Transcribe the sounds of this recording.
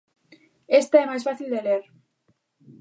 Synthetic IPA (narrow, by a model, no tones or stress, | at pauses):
est̪aɛmajsfaθild̪eleɾ